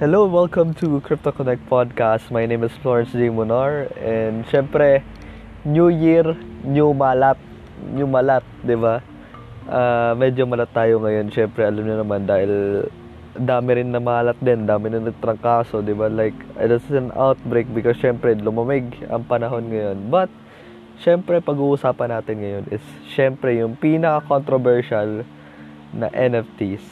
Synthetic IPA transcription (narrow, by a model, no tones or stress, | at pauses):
hɛlowwɛlkɐ̃mt̪ʰukɾɪp̚t̪okonɛk̚t̪̚pʰad̪̚kast̪mɐjnẽjmɪsfloɹɛnsd͡ʒimʊnaɹʔɛnd̪ʃɛmpɾɛ | njujiɹɲʊmalat̪̚ | ɲʊmɐlat̪̚d̪ɪba | ʔaːmɛd͡ʒo̞mɐlat̪ːaːjo̞ŋɐjo̞nʃɛmpɾɛʔɐlɐmɲʊnɐmand̪aːhɪl | d̪aːmɪɾɪnːɐmɐhaːlɐt̪̚d̪ɛnd̪aːmɪɾɪnːɐɡ̚t̪ɾɐŋkaːso̞d̪ɪbalajkd̪ɐsɪsɐnʔa̰wt̪̚bɾejk̚bɪkosʃɛmpɾɛlʊmɐmɪɡɐ̰ŋpɐnɐɦo̞nŋɐjo̞nbɐt̪̚ | ʃɛmpɾɛpɐɡuːʔʊsaːpɐnaːt̪ɪnŋɐjo̞nʔɪs | ʃɛmpɾɛjʊŋpiːnɐkɐkont̪ɾobɛɹʃal | nɐ̰ʔɛnɛft̪is